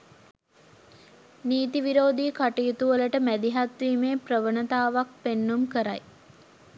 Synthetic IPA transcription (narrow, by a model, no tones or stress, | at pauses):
niːt̪iʋiɾoːd̪iːkaʈijt̪uʋələʈəmæd̪iɦat̪ʋiːmeːpɾəʋənət̪aːʋak̚penːumkəɾa̰j